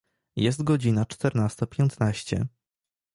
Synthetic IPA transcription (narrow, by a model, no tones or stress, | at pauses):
jɛst̪ɡɔd͡ʑinat͡ʂt̪ɛɾnast̪apʲjɛnt̪naɕt͡ɕɛ̰